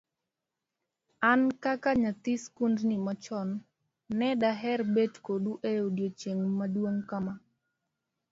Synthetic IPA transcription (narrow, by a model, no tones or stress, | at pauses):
ankakaɲat̪iskundnimat͡ʃɔnː | ɛdaɦɛrbetkoɗuʔeodjot͡ʃeŋmadwoŋkama